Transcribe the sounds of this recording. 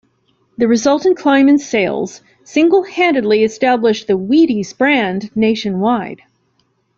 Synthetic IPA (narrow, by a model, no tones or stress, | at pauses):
ðɨɹɨzʌlˠtɨ̃nkʰl̥ãɪ̃mɨ̃nseɪlˠz̥ | sɪ̃ŋɡl̩ˠhæ̃ndɨdˡliɨstæblɨʃðɨwiɾizb̥ɹæ̃nneɪʃɨ̃nwaɪd̥